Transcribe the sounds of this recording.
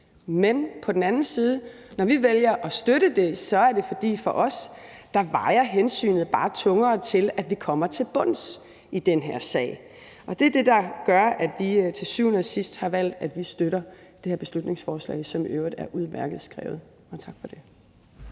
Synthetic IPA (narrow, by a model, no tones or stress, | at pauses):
menpʰɒ̽d̥en̩ænn̩siːð̞ˠənɒʋiʋeljɐʔɒ̽sd̥øɾəd̥e̝sɒ̽æɐd̥e̝fɒ̽d̥ḭːfɒ̽ʔɒ̽sd̥ɑ̈ʋɑ̈ɪɐɦensy̰ːnð̞̩ˠb̥ɑ̈ːt͡sʰɔ̽ŋɐːt͡sʰe̝læd̥ʋikʰɒ̽m̰ɐt͡sʰe̝lb̥ɔ̽n̰s | id̥enɦeɐ̰sɛ̰ːɪ | ʔɒ̽d̥e̝æɐd̥e̝d̥ɑ̈ɡ̥ɶɐæd̥ʋit͡sʰe̝lsyʊnəsisd̥hɑ̈ʋæl̰d̥æd̥ʋisd̥øɾɐd̥e̝hæɐb̥e̝slud̥ne̝ŋsfɒːslɛ̰ɪsɒ̽møʊid̥æɐʔuð̞ˠmæɐɡ̥ð̞̩ˠsɡ̥ʁɛ̰ːʊð̞̩ˠ | ɒ̽t͡sʰɑ̈ɡ̥fɒ̽d̥e̝